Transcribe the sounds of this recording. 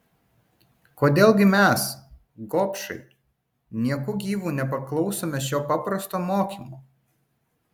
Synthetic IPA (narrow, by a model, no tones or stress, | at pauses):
koːd̪ʲeːlˠɡʲɪmʲɛˑs | ɡoːpʲʃɐ̰ɪ | nʲiɛkʊɡʲiːʋuːnʲɛpɐklˠɒʊsoːmʲɛʃʲoːpɑpɾɐst̪oːmoːkʲiːˑmoː